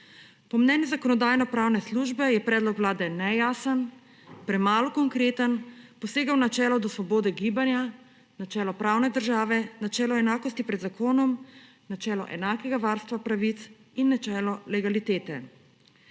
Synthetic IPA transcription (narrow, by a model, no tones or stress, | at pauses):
pɔmnɛːnjuzakɔnɔd̪aːjnɔpɾaːwnɛsluːʒbɛjɛpɾɛːd̪lɔkwlaːd̪ɛnɛjaːsən | pɾɛmaːlɔkɔŋkɾeːt̪ənpɔseːɡawnat͡ʃɛːlɔd̪ɔsʋɔboːd̪ɛɡiːbanja | nat͡ʃɛːlɔpɾaːwnɛd̪əɾʒaːʋɛnat͡ʃɛːlɔɛnaːkɔst̪ipɾɛd̪zakʰoːnɔm | nat͡ʃɛːlɔ̰ʔɛ̰naːkɛɡaʋaɾst̪ʋapɾaʋit̪s | inːat͡ʃɛːlɔlɛɡalit̪eːt̪ɛ